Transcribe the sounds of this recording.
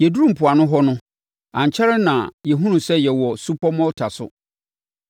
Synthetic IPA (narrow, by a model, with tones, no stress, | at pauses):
jɛ˨du˦ɾũ˦mpʰʊ˨a˨nʊ̃˦ɦɔ˦nʊ̃˦ | ã˨ɲ˨t͡ɕʰɛ˦ɾɛ˦nã˨jɛ˨ɦũ˦nũ˨sɛ˦jɛ˨wɔ˨su˦pʰɔ˦mɔ̃˦ltʰa˨sʊ̰˦